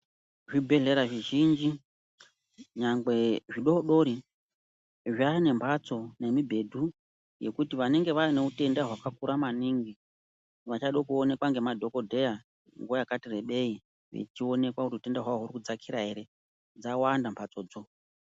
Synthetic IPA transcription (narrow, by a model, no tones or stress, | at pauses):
ʐibʱe̞ɮe̞ɾaʐiʒind͡ʒi | ɲaŋɡwe̞ʐiɗo̞ɗo̞ɾi | ʐane̞mpʰat͡so̞ne̞mibʱe̞dʱu | je̞kutiʋane̞ŋɡe̞ʋaine̞ute̞ndaɦwakakuɾamaniŋɡi | ʋat͡ʃaɗokuone̞kwaŋɡe̞madʱo̞ko̞dʱe̞ja | ŋɡuajakatire̞ɓe̞i | ʋḛt͡ʃio̞ne̞kwauriute̞ndaɦwaoɦuɾikud͡zakʰiɾaeɾe̞ | d͡zawandampʰat͡soːd͡zo